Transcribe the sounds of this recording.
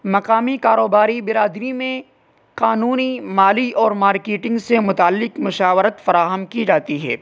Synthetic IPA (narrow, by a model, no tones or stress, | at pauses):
mɐqaːmikaːɾoːbaːɾibɪɾaːd̪ɾimẽ | qaːnuːnimaːliʔɔːɾmaːɾkeːʈɪ̃ŋɡsemʊt̪aːlːɪqmʊʃaːʋəɾət̪fɐɾaːɦəmkid͡ʒaːt̪iɦɛ̰ː